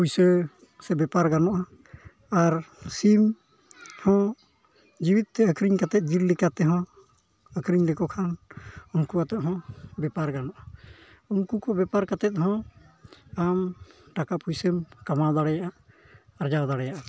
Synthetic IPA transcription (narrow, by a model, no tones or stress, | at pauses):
pujsə | sɛbɛpaɾɡanɔʔa | aɾsim | hɔ̃ | d͡ʒiwit̪̚ːɛəkɾiɲkat̪ɛt̪̚d͡ʒiɾlikat̪ɛɦɔ̃ | əkɾiɲlɛkɔkʰanunkuat̪ɛt̪̚ɦɔ̃bɛpaɾɡanɔʔa | unkukɔbɛpaɾkat̪ɛt̪̚ɦɔ̃ | amʈakapujsəmkamad̪aɽɛjaʔaː | ɾd͡ʒawd̪aɽɛjaʔa